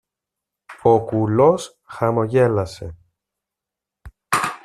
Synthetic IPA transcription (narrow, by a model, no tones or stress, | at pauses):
okulos | xɐmo̞ʝe̞lɐse̞